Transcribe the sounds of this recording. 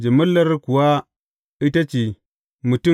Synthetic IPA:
d͡ʒe˨mɐ˦lːɐ˦ɾku˨wa˦ | i˦ta˦t͡ʃe˨ | mu˨tu˦

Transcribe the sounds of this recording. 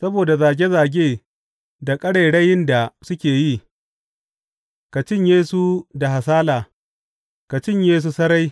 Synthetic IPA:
sɐ˦boː˨da˨zaː˨ɡʲe˦zaː˨ɡʲeː˦˨ | da˨kʼɐ˦ɽɐ˨jɽɐ˦jɪ˦nda˨sʊ˦kʲeː˨ji˦˨ | ka˨t͡ʃɪ˦ɲjeː˦su˦da˨ha˨saː˦laː˨ | ka˨t͡ʃɪ˦ɲjeː˦s̬u˦sɐ˦ɾa˦j

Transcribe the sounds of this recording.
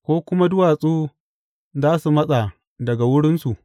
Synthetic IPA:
kʷoː˦kʷʊ˦ma˦dʊ˦waː˨sʼuː˦ | zaː˦su˨mɐ˦sʼa˨ | dɐ˨ɡa˨wʊ˦ɽɪ˦nsu˨ʔ

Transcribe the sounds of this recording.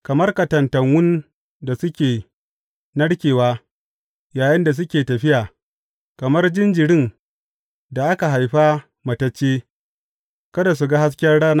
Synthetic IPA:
kɐ˨mɐ˦rkɐ˨tɐ˨ntɐ˨ŋwʊ˦n | da˨sʊ˦kʲeː˨ | nɐ˦ɽkʲeː˨waː˦ | jaː˨jɪ˦nda˨s̬ʊ˦kʲeː˨tɐ˨ɸɪ˦jaː˨ | kɐ˨mɐ˦rd͡ʒɪ˦nd͡ʒɪ˨ɽɪ˦ŋ | da˨ʔa˦ka˨ɦa˨jɸa˦ | mɐ˨tɐ˦t͡ʃːeː˦ | kɐ˦da˨s̬u˨ɡa˦ha˦s̬kʲɐ˦rɽaː˦na˦

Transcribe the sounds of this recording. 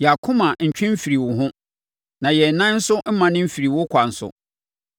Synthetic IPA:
jɛ˨a˨kʰʊ̃˦mã˨ɲ̩˨t͡ɕᶣɪ̃˦m̩˦fi˨ɾi˨wʊ˨ɦʊ̃˦ | nã˨jɛ˨nã˦n̩˦sʊ˦m̩˦mã˨nɪ̃˦m̩˦fi˨ɾi˨wʊ˦kʷʰa˨n̩˨sʊ̰˨

